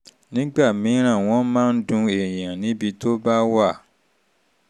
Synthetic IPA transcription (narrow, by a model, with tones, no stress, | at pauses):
nĩ˨˦ɡ͡ba˦˨mĩ˨˦ɾ̃ã˦˨w̃ɔ̃˨˦mãː˦n̩˦dũ˧e˨j̃ã˨nĩ˨˦bi˧to˦ba˦wa˦˨